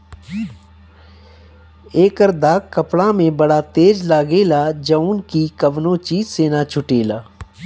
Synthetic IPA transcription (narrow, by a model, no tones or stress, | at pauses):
eːkəɾd̪aːkkəpɽamẽbɐɽat̪eːd͡ʒlaːɡeːlaːd͡ʒəʊnkikəʋnõt͡ʃiːzseːnat͡ʃʰʊʈeːlaː